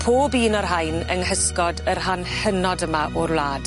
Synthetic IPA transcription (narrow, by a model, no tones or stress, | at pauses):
pʰoːbiːnɔrɦajnəŋhəskɔdərhanhənɔdəmaʔʔɔrwlˠaːd̥